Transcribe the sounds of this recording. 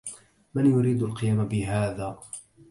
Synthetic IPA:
manjʊɾiːd̪alqɨjaːmabɪɦaːðaː

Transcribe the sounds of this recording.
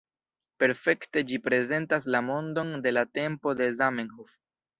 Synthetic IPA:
pe̞ɾfe̞kte̞d͡ʒipɾe̞ze̞ntas̬lamo̞ndo̞nde̞late̞mpo̞de̞zamenhof

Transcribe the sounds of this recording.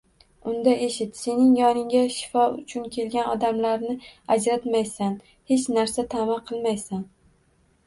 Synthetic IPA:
ʊnd̪aʔe̞ʃɪt̪se̞nɪŋjɒnɪŋɡʲaʃɪ̥fɒʊ̰t͡ʃʰʊnkʲʰe̞lɡʲanɒd̪amlaɾnɪad͡ʒɾat̪majsan | he̞t͡ʃnaɾsat̪ʰamaqʰɨlˠmajsan

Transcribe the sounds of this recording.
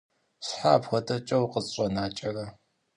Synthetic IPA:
ɕħaːpxʷɔdʰɐt͡ʃʼɐwqəɕʼɔnaːt͡ʃʼɐrɐ

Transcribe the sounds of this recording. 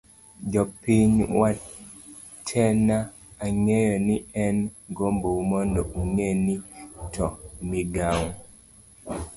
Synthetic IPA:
d͡ʒɔpiɲwa | tʰɛnaː | ŋejɔniɛnɡombomɔndɔʔuŋenitɔmiɡaŋ

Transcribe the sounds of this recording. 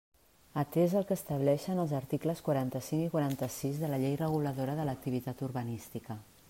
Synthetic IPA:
ət̪ezəlˠkəːst̪əβ̞lɛʃənəlˠzəɾt̪ikləskwaɾant̪əsiŋikwaɾant̪əsizðələʎejrəɣ̞uləðoɾəðələk̚t̪iβit̪at̪uɾβənist̪ikə

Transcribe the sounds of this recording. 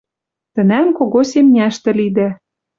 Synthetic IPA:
t̪ə̆næmkoɣosemnʲæʃt̪ɘ̆lid̪æ

